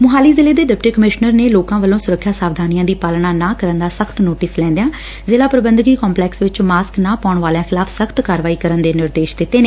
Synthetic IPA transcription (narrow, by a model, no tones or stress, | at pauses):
mʊɦaːliːzɪleːd̪eːɖɪpʈiːkəmɪʃnəɾneːloːkãːʋəlõːsʊɾəkʰːjaːsaːʋd̪ʱaːnijãːd̪iːpaːlɳaːnaːkəɾənd̪aːsəkʰt̪noːʈɪslɛ̃ːnd̪ejãː | zeːlaːpɾəbənd̪ɡiːkɔ̃ːmplɛːksʋɪt͡ʃmaːsknãːpaːʊɳʋaːljãːxʰɪlaːpʰsəkʰt̪kaːɾʋaːiːkəɾənd̪eːnɪɾd̪eːʃd̪ɪt̪ːeːneː